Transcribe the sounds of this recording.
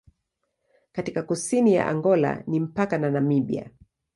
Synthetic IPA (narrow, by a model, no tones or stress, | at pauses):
katikakusinija̰ʔa̰ŋɡɔla̰nim̩pakananamiɓia̰